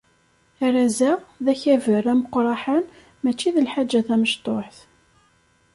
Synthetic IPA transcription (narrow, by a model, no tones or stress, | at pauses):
æɾæzæʁðæçævərːæməqːɾˤɑħən | mæt͡ʃːiðəlħad͡ʒːæθæməʃt̪ˤoħθ